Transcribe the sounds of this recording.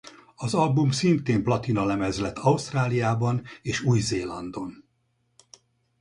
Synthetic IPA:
ɒzɒlbumsint̪eːmplɒt̪inɒlɛmɛzlɛt̪ʰːɒust̪raːlijaːbɒneːʃuːjzeːlɒnd̪o̞n

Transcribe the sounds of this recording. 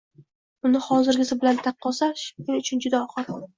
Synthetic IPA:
ʊnɪhɒzɪɾɡʲɪzɪbɪlant̪ʰɑqʰːɒsaʃɪŋʊt͡ʃʰʊnd͡ʒʊd̪aɒχɑɾ

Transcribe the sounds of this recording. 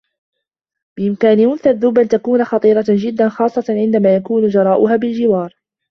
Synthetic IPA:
bɪʔɪmkaːnɪmʊnθaðʊːbʔant̪akuːnaxɑt̪ˤiːɾˤɑd͡ʒɪd̪ːanxɑːsˤːɑʕɪnd̪amaːjakuːnʊd͡ʒɑɾˤɑːʔʊɦaːbɪld͡ʒɪwɑːɾˤ

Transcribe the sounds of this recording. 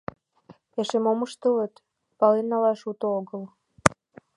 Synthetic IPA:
eʃemoməʃt̪ələ̆t̪ | pɑlenːɑlɑʃut̪ooɣəl

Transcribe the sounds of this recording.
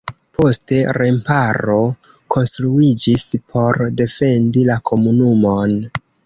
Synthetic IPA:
po̞ste̞ɾe̞mpaɾo̞ | kʰo̞nstɾuid͡ʒispʰo̞ɾde̞fe̞ndilakʰo̞munumo̞n

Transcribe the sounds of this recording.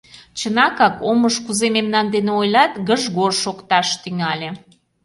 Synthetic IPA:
t͡ɕənɑkɑkoməʃkuzememnɑnd̪eneojlɑt̪ɡəʒɣorʃokt̪ɑʃt̪yŋɑlʲe

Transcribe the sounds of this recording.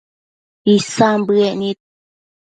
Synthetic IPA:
isambɨeʔnĩt̪̚

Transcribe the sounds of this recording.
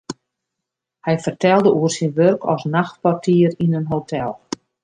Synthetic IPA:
hɛjfərtɛlˠdəʔuərsinʋørkʰɔ̰snaxt̚partʰiərinənɦowtʰɛlˠ

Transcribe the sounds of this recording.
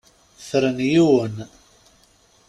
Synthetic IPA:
θɾənjiwən

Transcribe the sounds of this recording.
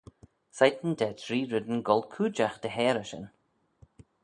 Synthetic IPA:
sajt̪ənd̪ɛtɾiːɾɪd̪ənɡɔlkʰuːd͡ʒaxd̪̥əɦɛːɾəʃə̰n

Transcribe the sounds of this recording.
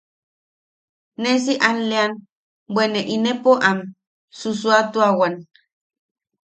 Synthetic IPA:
nes̬iʔanlean | bwʷeneʔinepoʔam | sus̬uat̪uawan

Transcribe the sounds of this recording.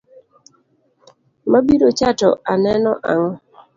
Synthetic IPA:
mabiɾot͡ʃatɔ̰anɛnɔʔaŋ

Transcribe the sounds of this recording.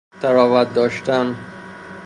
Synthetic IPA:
t̪æɾɒːvæt̪̚d̪ɒːʃt̪æn

